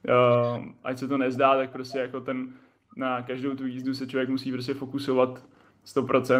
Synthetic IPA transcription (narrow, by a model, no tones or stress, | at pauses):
ʔa̰csɛt̪onɛzdaːt̪ak̚pɾo̞scɛjako̞t̪ɛnː | akaʒdowt̪uiːzdusɛt͡ʃlovjɛkmusiːpɾo̞s̬cɛfo̞kusovat̪ | st̪o̞pɾʔo̞t͡sɛ